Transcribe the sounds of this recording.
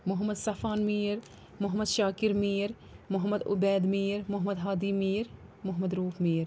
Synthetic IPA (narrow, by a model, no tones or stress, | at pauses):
mʊɦmɐd̪sɐfaːnmiːɾ | mʊɦmɐd̪ʃaːkiɾmiːɾ | mʊɦɐmɐd̪ʊ̰bɛːd̪meːɾmʊɦmɐd̪ɦaːd̪iːmeːɾmʊɦmɐd̪ɾuːfmeːɾ